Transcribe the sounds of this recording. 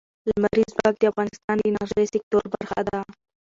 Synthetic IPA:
lamaɾizbɑɡ̚d̪əafɣɑnɪst̪ɑnlinɑɾʒesɪk̚t̪oɾbaɾxa̰d̪a

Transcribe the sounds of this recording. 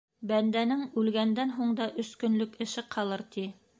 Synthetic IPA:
bænd̪ænɘŋʉlɡænd̪ænɦuɴd̪ɑʔɵ̆skɵ̆nlɵkɘ̆ʃɘqʰɑlˠɤɾt̪i

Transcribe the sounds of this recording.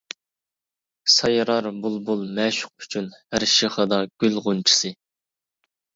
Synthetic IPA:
sɑjɾɑɾbulˠbulˠmɛʃʊ̥q̚y̥t͡ʃʰynhæɾʃiχɑd̪ɑɡ̥ʲylʁʊnt͡ʃʰi̥sɨ

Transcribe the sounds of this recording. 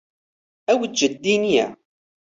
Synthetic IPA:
æwəʒəd̪ːinjæ̰

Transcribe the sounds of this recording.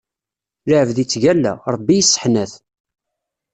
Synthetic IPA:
laʕəvðit͡sːʝælːæ̰ɾˤəbːijisˤːə̥ħnæθ

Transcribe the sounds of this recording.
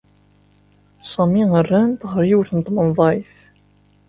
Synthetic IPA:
sˤɑmiərːænt̪ʁəɾjiwθənət̪ˤːmənðˤɑjθ

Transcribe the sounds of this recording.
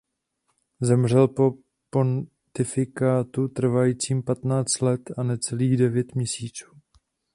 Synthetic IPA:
zɛmr̝ɛlpo | pon | t̪ɪfɪkaːt̪ut̪r̩vajiːt͡siːmpat̪naːt͡st̪lɛt̪anɛt͡sɛliːɣdɛvjɛt̪mɲɛsiːt͡su̥ː

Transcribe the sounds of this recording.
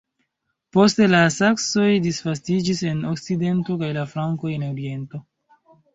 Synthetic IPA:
po̞ste̞lasakso̞jdisfas̬tid͡ʒise̞no̞kside̞nto̞kajlafɾaŋko̞je̞noɾie̞nto̞

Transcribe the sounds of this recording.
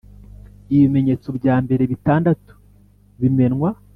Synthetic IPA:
iβime̞ɲe̞t͡so̞bɟaːmbe̞ɾe̞βitaːndatu̥ | βime̞nŋwa

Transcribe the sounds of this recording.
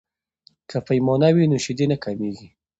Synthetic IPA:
kʰapajmɔnawinoʃɪd̪enakameɡi

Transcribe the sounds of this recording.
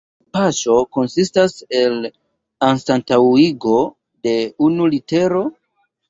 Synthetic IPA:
paʃo̞ko̞nsistase̞l | ansantawiɡo̞ | de̞unulite̞ɾo̞

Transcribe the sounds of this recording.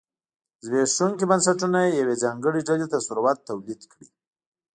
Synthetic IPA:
zbeʃuŋkibansaʈunaejawed͡zɑŋɡəɽiɖalet̪asuɾwat̪ːawlid̪kɽi

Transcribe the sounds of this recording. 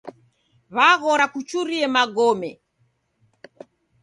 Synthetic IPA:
βaɣɔɾakut͡ʃuɾiɛmaɡɔmɛ

